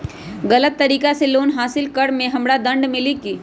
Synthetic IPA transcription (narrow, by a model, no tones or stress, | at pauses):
ɡələt̪ːəɾiːkaseloːnɦaːsɪlkəɽmẽɦəmɽad̪ə̃ɳɖmɪliki